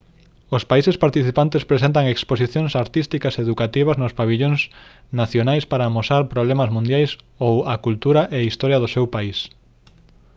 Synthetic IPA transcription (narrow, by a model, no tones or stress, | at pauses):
ospaisespaɾt̪iθipant̪espɾesẽnt̪̬aŋeksposiθjoŋsaɾt̪ist̪ikɐseðukat̪iβ̞ɐznospaβiʎoŋs | naθjonajspaɾamosaɾpɾoβ̞lemɐzmũnd̪jajs | owɐkult̪uɾaʔeaist̪ɔɾjaðosewpais